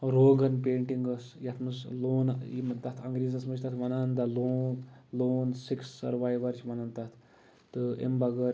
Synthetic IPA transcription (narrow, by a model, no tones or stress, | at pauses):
ɾoːɡɐnpeːɳʈiŋɡɐsjɐt̪ʰmɨsloːnimt̪ɐt̪ʰɐŋɡɾiːzɐsmɐd͡ʒʰt̪ɐt̪ʰʋɐnand̪ɐloːnloːnsiksːɐ̰ɾʋaːjʋɐɾt͡ʃʰʋɐnɐnt̪ɐt̪ʰ | t̪ɨḭmbɐɡɐɾ